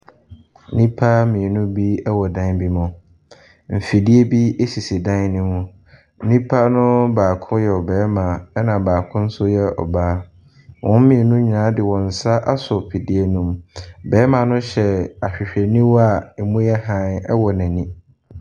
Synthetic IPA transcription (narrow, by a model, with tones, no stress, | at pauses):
nĩ˦pʰa˦mĩ˨e˨nũ˦bi˦ɛ˦wɔ˨dã˦nbi˦mʊ̃˨ | m̩˨fi˨di˦e˦bi˦e˦si˨si˨dã˦nnĩ˦mʊ̃˨˦ | nĩ˦pʰa˦nʊ̃˦baː˨kʰʊ̃˦jɛ˨ɔ˨bɛː˨˦mã˨ɛ˦nã˨baː˨kʰʊ̃˦n̩˦sʊ˦jɛ˦ɔ̰˨baː˦ | wʔɔ̃˦m˦mĩ˨e˨nũ˦ɲ˨nã˨˦dɪ˨wɔ̃˨n̩˨sa˦ʔa˦sʊ˨pʰi˨di˦e˦nũ˦mbɛː˨˦mã˨nʊ̃˦ɕɛ˨a˨ɕᶣɪ˨ɕᶣɛ˨nĩ˦wɔ˦a˨e˨mũ˦jɛ˦ɦã˦˨nɛ˦wɔ˨nã˨nĩ˦